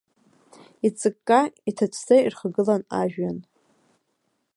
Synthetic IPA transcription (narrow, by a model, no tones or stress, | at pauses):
it͡sʼɨkʼːaitʰat͡ɕʷʰzairχaɡɨlanaʒᶣan